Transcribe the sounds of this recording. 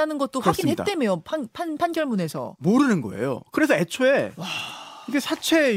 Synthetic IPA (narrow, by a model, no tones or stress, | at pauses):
anɯnɡʌt̚t͈oɸwaɡinhet͈emejopʰanpʰanpʰanɡjʌɭmune̞sʰʌ̰moɾɯnɯnɡʌ̰e̞̰jo̰kɯɾe̞s̬ʰʌe̞t͡ɕʰoe̞waiɡesʰat͡ɕʰe̞